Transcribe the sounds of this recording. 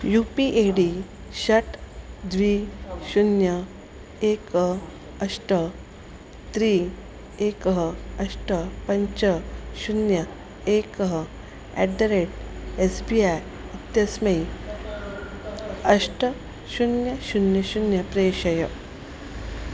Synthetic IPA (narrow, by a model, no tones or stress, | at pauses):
jupiʔeɽi | ɕɐʈd̪ʋiːɕunjɐ | ekə | ɐʂʈə | t̪ɾiː | ekəɦəɐʂʈəpɐɲt͡ɕəɕunjɐ | ekəɦə | ɛ̰ɖɐɾeʈesbiaj | it̪jɐsmej | ɐʂʈə | ɕunjɐɕunjɐɕunjɐpɾeɕɐjə